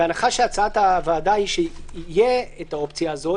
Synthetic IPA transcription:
eanaχaʃeat͡saat̪avaːd̪ahiʃeijeet̪aopt͡sjaːzo̞

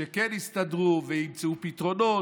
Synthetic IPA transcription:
ekenhist̪ad̪ʁuvehimt͡seupit̪ʁono

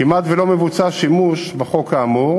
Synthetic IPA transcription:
imat̪velo̞me̞vut͡saʃimuʃbeχo̞kaːmuʁ

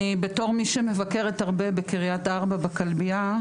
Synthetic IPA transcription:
ibe̞to̞ʁmiʃeme̞vake̞ʁethaʁbe̞bekiʁijataʁbabakalbia

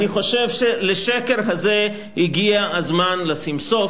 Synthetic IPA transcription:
niχo̞ʃe̞vʃe̞leʃeke̞ʁɦaze | hiɡiaazmanlesimso̞

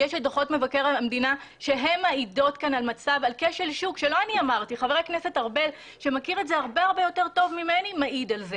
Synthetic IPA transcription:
jeʃad̪aχo̞tme̞vakeʁalamdinaʃe̞ɦe̞mːaido̞tkanalmat͡savalkeʃelʃukʃelo̞aniamaʁtiχaveʁeknese̞taʁbel | ʃe̞makiʁetzeaʁbe̞aʁbejo̞te̞ʁto̞vmimenimaʔid̪alze̞

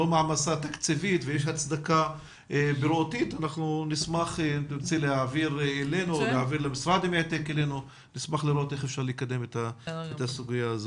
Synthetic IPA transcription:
omaʕmasat̪akt͡sivit̪vejeʃ̬hat͡sd̪aka | ebeɾotit̪anaχnunismaχeniɾt͡selehaviʁelenuolehaviɾlemisʁad̪imeet̪ekele̞nu | nismaχliɾo̞t̪e̞χefʃaʁlikad̪e̞met̪aet̪asuɡijaːzo

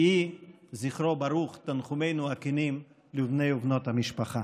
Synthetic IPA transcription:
iziχɾobaɾuχt̪anχumejnuakinim | livnejuvnot̪hamiʃpaχa

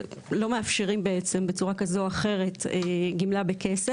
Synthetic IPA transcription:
lo̞meafʃeʁimbeet͡se̞mbet͡suʁakazoaχe̞ʁe̞teɡimlabekese

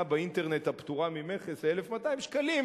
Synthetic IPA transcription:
baint̪e̞ʁne̞t̪hapt̪uʁamimeχeselefmataimʃkalim

